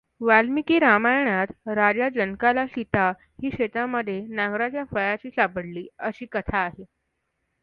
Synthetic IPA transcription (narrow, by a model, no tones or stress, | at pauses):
ʋalmikiːɾamajɳ̃at̪ɾad͡ʑad͡ʑənkalaɕit̪a | hiːɕet̪aməd̪ʱːjenaɡɾat͡ɕjafəjat͡ɕiːsapəɽliːəɕiːkət̪ʰaːɦe